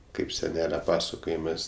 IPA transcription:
kɐɪp sʲɛˈnʲæːlʲɛ ˈpɑːsɐkoːjɪmɜs

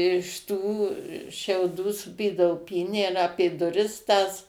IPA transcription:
ɪʃ ˈtuː ʃʲɛʊˈduː sʊˈpʲiːdɐʋoː ˈpʲiːnʲæː ɪr ˈɑːpʲeː dʊˈrʲɪs tɐs

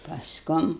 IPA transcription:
pɐsˈkʊm

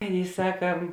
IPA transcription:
ˈɑːˌnʲeːɪ ˈsɑːkɐ

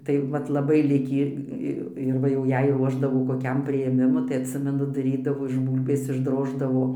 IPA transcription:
tɐɪ ˈʋɐt lˠɐˈbɐɪ ˈlʲɪkʲiː ˈɪ ɪr ˈʋɐ jɛʊ ˈjɛɪ ˈruɔʒdɐʋoː koːˈkʲɛm pʲrʲɪjeːˈmʲɪmʊ tɐɪ ɐtʲˈsʲɪmʲɛnʊ dɐˈrʲiːdɐʋoː ɪʃ ˈbuːlʲbʲeːs ɪʒˈdroːʒdɐʋoː

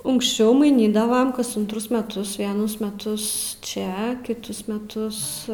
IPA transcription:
ʊŋkʃʲˈt͡ʃʲɛʊ mɐɪˈnʲiːdɐʋɐm kɐs ʊntˈrʊs mʲɛˈtʊs ʋʲiɛˈnʊs mʲɛˈtʊs ˈt͡ʃʲɛ kʲɪˈtʊs mʲɛˈtʊs

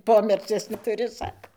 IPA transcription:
ˈpoːmʲɛt͡sʲiɛs nʲɛtʊˈrʲɪ ˈsɑːkoː

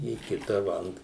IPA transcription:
iː ˈkʲɪtɐ ʋɐ ɐnt

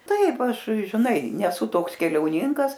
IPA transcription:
ˈtɐɪp ˈɐʃ ʒʲɪˈnɐɪ nʲɛˈsʊ ˈtoːks kʲɛlʲɛʊˈnʲɪŋkɐs

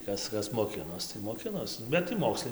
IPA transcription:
ˈtɐs ˈkɐs moːˈkʲɪnoːs tɐɪ moːˈkʲɪnoːs bʲɛt tɐɪ ˈmoːkslˠɐɪ

